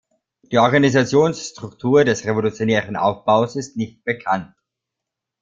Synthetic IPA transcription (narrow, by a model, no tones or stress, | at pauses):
d̥iːʔɔɐɡanizat͡sjoːnsʃtʁ̥ʊktʰuːɐdɛsʁevolut͡sjonɛːʁənʔa̰ʊfb̥aʊsɪstnɪçt̚b̥əkʰant̚